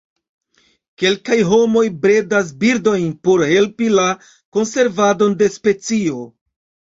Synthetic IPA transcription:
ke̞lkajɦo̞mo̞jbɾe̞das̬biɾdo̞jnpo̞ɾhe̞lpila | ko̞nse̞ɾvado̞nde̞spe̞t͡sio̞

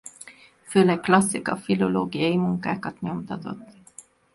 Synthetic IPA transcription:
føːlɛkːlɒsːikɒ̰filo̞loːɡijɒjimuŋkaːkɒt̪ɲo̞mt̪ɒt̪o̞̰t̪ː

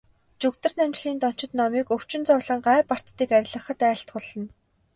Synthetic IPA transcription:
t͡ɕɵkt̪ɘ̆rnæmt͡ɕ̆ɮiːnt̪ɔn̥t͡ɕɪ̆t̪nɔmiːkɵw̥t͡ɕɪ̆nt͡sɔwɮə̆ŋɢaːpar̥t̪ːiːkæɾʲɪ̆ɮə̆χə̆t̪æːɬt̪χʊɮə̆n

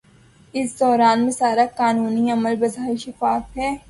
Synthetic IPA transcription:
ɪsd̪ɔːɾaːnmẽsaːɾakaːnuːniɐməlbɐzʱɦaːiʃɐfaːfɦɛː

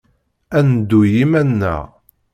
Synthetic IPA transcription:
ænd̪ːujimænːə̰ʁ

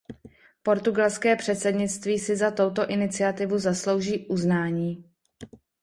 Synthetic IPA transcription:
po̞ɾt̪uɡalskɛːpr̝̥ɛt̪sɛdɲɪt͡st̪viːsɪzat̪o̞wt̪o̞ʔɪnɪt͡sɪat̪ɪvuzaslo̞wʒiːʔuznaːɲiː

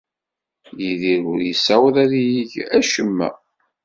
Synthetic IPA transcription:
jiðiɾʊɾjəsæwðæðjiʝæʃəmːæ̰

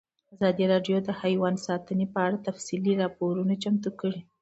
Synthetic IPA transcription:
azɑd̪iɾɑɖjod̪əhajwɑnsɑt̪ənepəaɽat̪afsiliɾɑpoɾunat͡ʃamt̪ukəɽi

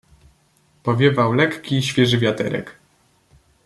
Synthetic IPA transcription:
pɔvʲjɛvawlɛkkʲiɕfʲjɛʐɘvʲjat̪ɛɾɛ̰k

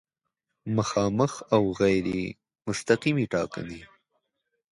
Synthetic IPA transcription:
məxɑːməxawɣajɾḛ | mʊst̪aqimiʈɑka̰ni

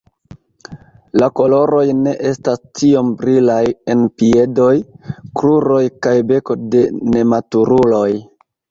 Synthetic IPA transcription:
lako̞lo̞ɾo̞jne̞ʔe̞stastio̞mbɾilaje̞npie̞do̞jkɾuɾo̞jkajbe̞ko̞de̞ne̞matuɾulo̞j

